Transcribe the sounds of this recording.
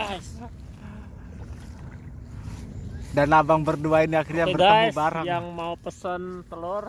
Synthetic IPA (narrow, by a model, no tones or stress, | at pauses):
danabaŋbərduainiakirɲaəərɡaabaɾjaŋmaupəsənt̪əlʊr